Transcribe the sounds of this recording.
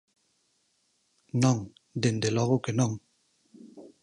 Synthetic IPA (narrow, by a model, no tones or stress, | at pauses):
nɔŋ | dendelɔɣokenɔŋ